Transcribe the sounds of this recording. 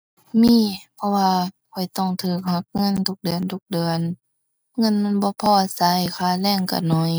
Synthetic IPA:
miː˧˥˨pʰɔ˧waː˧kʰɔ˨˩jt̪ɔ˧˩ŋt̪ʰɯː˧˩k̚ha˧˦k̚ŋɤ˧˥˨nt̪ʰu˧˦k̚dɯ˨ənt̪ʰu˧k̚dɯ˨ən | ŋɤ˧˥˨nma˧˥˨nbɔː˧˦pʰɔː˧˩ʔa˧sa˧˦jkʰaː˧˩lɛː˧˨ŋka̰˧˩nɔ˧˦j

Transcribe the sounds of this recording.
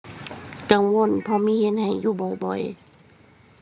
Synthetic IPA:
ka˨˦ŋwo˧˥˨npʰɔː˧˨miː˧˥˨he˧˥n̚ha˨˩jːuː˧˨bɔ˨˩jbɔ˨˩j

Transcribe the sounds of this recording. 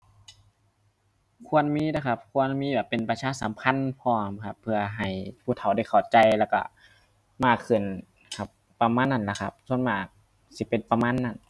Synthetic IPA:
kʰu˧˥˨ə˨nmiː˧˥˨da˧˩kʰa˧p̚kʰu˧˥˨ə˨nmiː˧˥˨bɛː˨˩pːe˨npa˧t͡ɕʰaː˧˥˨sa˨˦mkʰa˧˥˨npʰɔː˧˨mkʰa˧pʰːɯ˧ɐɦa˨˩jpʰuː˧˩t̪ʰa˨˩wda˧˩jkʰa˨˩wt͡ɕa˧jlɛː˧˩wka̰˧˩ | maː˧˩kʰːɯ˧˩n | kʰa˧˩p̚ | pa˧maː˧˥˨nːa˧˩nla˧˩kʰa˧p̚sʰu˧˥ə˨nmaː˧˩k̚ | si˧˦˩pe˨npa˧maː˧˥˨nːa˧˩n

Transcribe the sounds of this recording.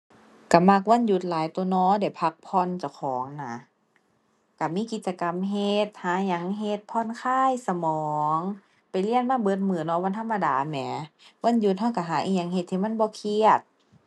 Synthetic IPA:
ka˧˩ma˧˩k̚wa˧˥˨nju˧˦t̪̚laː˨˦jt̪oː˧˦nɔː˧˨da˧˩jpʰa˧˦k̚pʰɔ˧˨nt͡ɕa˧˩wkʰɔː˨˦ŋna˧˦ | ka˧˩miː˧˥˨ki˧t̪̚t͡ɕa˧ka˧mɦe˧t̪̚haː˨˦ɲa˨˧˦ŋɦe˧t̪̚pʰɔː˧˥˨nkʰaː˧˥˨jsa˧mɔː˨˦ŋ | pa˨jli˧˩˨ənmaː˧˥˨bɤː˧˦t̪̚mɯː˨˩nɔː˧˦wa˧˥˨nt̪ʰa˧˥˨mːa˧daː˨˦mɛː˨˦wa˧˥˨nju˧t̪̚ɦa˧˩˨wka˧˩ɦaː˨˦ʔiː˧ɲa˧˦ŋhe˧t̪ʰːiː˧ma˧˥˨nbɔː˧˦kʰi˧ət̪̚

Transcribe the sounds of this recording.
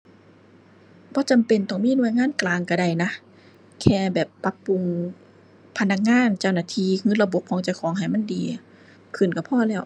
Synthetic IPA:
bɔː˧˦t͡ɕa˨mpe˨nt̪ɔ˧˩ŋmiː˧˥˨nu˧˩˨jŋaː˧˥˨nklaː˨˧ŋka˧˩da˧˩jna˧˥ | kʰɛː˧˩bɛː˨˩pːa˧˥pːu˨˧ŋ | pʰa˧nːa˧k̚ŋaː˧˥˨nt͡ɕa˧˩wnaː˧˩t̪ʰiː˧˨hɯː˧˥˨la˧bo˧˦p̚kɔː˨˦ŋt͡ɕa˧˩wkʰɔː˨˦ŋɦa˨˩jma˧˥˨ndiː˨˦ | kʰɯ˨˩˨nka˧˩pʰɔː˧˥˨lɛː˧˥˩w

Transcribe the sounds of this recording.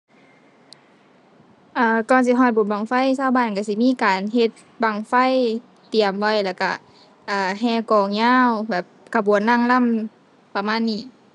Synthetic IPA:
ʔaː˧˩kɔː˧˩nsi˧˦ɦɔː˧˩bo˨n̚baː˨ŋfa˧˥˨jsaː˧˨wbaː˧˥˨nka˧˩si˧˦miː˧˥˨kaː˨nɦe˧t̪̚ | ba˨˩ŋfa˧˥˨j | t̪i˨˩əmʋa˧˩˨jlɛː˧˩ka̰˧˩ | ʔaː˨˩ɦɛː˧˩kɔː˨˩ŋɲaː˧˥˨wbɛː˨˩p̚kʰa˨˧bu˨ə˦nːa˧˥˨ŋla˧˥˨m | pa˧maː˧˥˨nːiː˧˩˨

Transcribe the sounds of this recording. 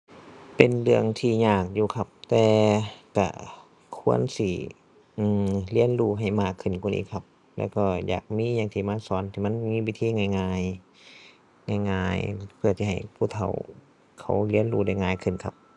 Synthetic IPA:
pe˨nlɯ˧əŋt̪ʰiː˧˩ɲaː˧˩k̚juː˧kʰa˧p̚t̪ɛː˧ka̰˧˩ | kʰu˧˥ənsiː˧˩ | ʔɯː˧˩li˧˥ə˨nluː˧ɦa˨˩jmaː˧˩kʰːɯ˨˧˩nkʰu˧˨nʔḭː˧˨kʰa˧p̚ | lɛ̰ː˧˥˩wkɔː˧˩ja̰ː˨˩k̚miː˧˥˨ɲaː˧˩ŋt̪ʰiː˧˩˨maː˧˥sɔː˨˦nt̪ʰiː˧ma˧˥˨nmiː˧˥˨wiː˧˥t̪ʰiː˧˥˨ŋa˧˩˨jŋaː˧j | ŋaː˧˩jŋaː˧jpʰɯ˧˩t̪ʰiː˧ɦa˨˩jpʰuː˧˩˨t̪ʰa˨˧˩w | kʰa̰˧˩wli˧˥ə˨nluː˧˩da˧˩˨jŋaː˧˩jkʰɯ˧˩˨nkʰa˧p̚

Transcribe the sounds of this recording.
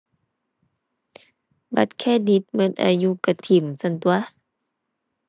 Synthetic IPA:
ba˧˦t̪̚kʰɛː˧˥˨di˧˦t̪̚mɤ˧˦n̚ʔa̰˧˩juː˧ka˧t̪ʰi˧˩˨msa˧˨nt̪u˧a˧

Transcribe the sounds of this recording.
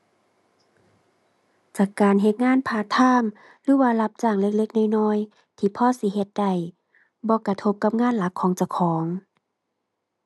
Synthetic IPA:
t͡ɕaː˧˩kːaː˨nɦe˧˦t̪̚ŋaː˧˥˨npʰaː˧t̪ʰaː˧˥˨m | lɯː˨˧˦waː˧la˧p̚t͡ɕaː˧˩ŋle˧k̚le˧˥k̚na˧˩jnɔː˧˥˨j | t̪ʰiː˧pʰɔː˧˥˨si˧˦ɦe˧˦t̪̚da˨˩j | bɔː˧˦ka˨˩t̪ʰo˧˦p̚ka˧˦p̚ŋaː˧˥˨nla˨˦kʰːɔː˨˦ŋt͡ɕa˧wkʰɔː˨˦ŋ

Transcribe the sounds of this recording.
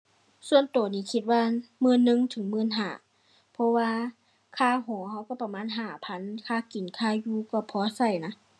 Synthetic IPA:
su˧ənt̪oː˨˩niː˧˩kʰi˧t̪̚waː˧mɯː˧˥˨nːɯ˧˥˨ŋt̪ʰɯ˨˦ŋmɯː˧˥˨nɦaː˧˩ | pʰɔ˧waː˧ | kʰaː˧˨ɦɔː˨˦ha˧˥˩wkɔ˧˩pa˧maː˧˥˨nɦaː˧˩pʰa˧˥˨nkʰaː˧˩˨ki˨nkʰaː˧˩juː˧kɔː˧˩pʰɔː˧˦sa˧˩jna˧˥

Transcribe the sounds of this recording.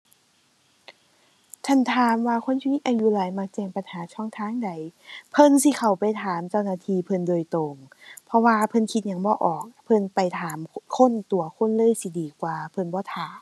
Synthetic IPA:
t͡ɕ̪ʰa˧˥˩nt̪ʰaː˨˦mwaː˧kʰo˧˥˨nt͡ɕʰi˧ni˧t̪ʔaː˧ju˧˨laː˨˦jma˧k̚t͡ɕɛː˧˩ŋpa˨nhaː˨˦t͡ɕʰɔː˧˥˩ŋt̪ʰaː˧˥˨ŋda˨˩jpʰɤ˧˥˨nsi˧˦kʰa˨˩wpa˨˩jt̪ʰaː˨˦mt͡ɕa˧˥˨wnaː˧˩t̪ʰiː˧pʰɤ˧˨ndoː˨˩˨jt̪o˧˩ŋ | pʰɔ˧waː˧pʰɤ˧˥˨nkʰi˧t̪̚ɲa˧˩ŋbɔː˧˦ʔɔː˨˩k̚pʰɤ˧˥˨npa˨˩jt̪ʰaː˨˦mkʰo˧˥˨nt̪u˨˦ɐkʰo˧˥˨nlɤː˧˨jsi˧˦diː˨˩kwaː˧˩pʰɤ˧˨nbɔː˧˦t̪ʰaː˨˦m

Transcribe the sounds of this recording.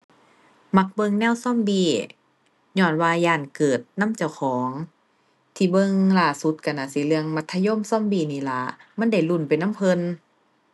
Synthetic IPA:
ma˧˥k̚bɤ˧˨ŋnɛː˧˥˨wsɔ˧˥˨mbiː˧˩ | ɲɔː˧˩nwaː˧jaː˧˩˨nkɤː˨˩t̪̚na˧˥˨mt͡ɕa˧˩˨wxʰɔː˨˦ŋ | t̪ʰiː˧˩bɤ˧˨ŋlaː˧˩su˧˦t̪̚ka˧˩na˧˨si˧˦lɯ˧əŋma˧˦t̪ʰːa˧jo˧˥˨msɔ˧˥˨mbiː˧˩niː˧˩la̰˧˦ma˧˥˨nda˧˩jlu˧˩˨npa˨jna˧˥˨mpʰɤ˧˨n

